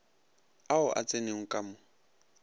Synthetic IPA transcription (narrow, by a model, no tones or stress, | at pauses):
aʊʔa̰t͡sʼeneŋ̩kʼamʊ